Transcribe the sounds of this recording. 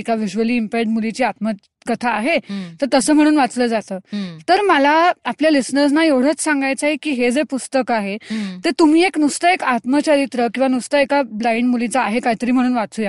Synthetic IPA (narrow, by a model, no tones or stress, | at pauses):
ekaʋiʑʋəliːmpeɖmulit͡ɕiːat̪mə | kət̪ʰaːɦet̪əɾt̪əsəːm̤əɽ̃uːnʋat͡sləd͡zat̪əːt̪əɾməlaapljalisnəɾs̬naeʋɽ̤ət͡ssaŋɡajt͡saɦekiːɦed͡zepust̪əkaɦet̪et̪um̤iːeknust̪əekat̪mət͡ɕəɾit̪ɾəkĩw̃ʋanust̪əekablaiɳmulit͡saːɦekaɦit̪əɾiːm̤əɽ̃uːnʋat͡suːja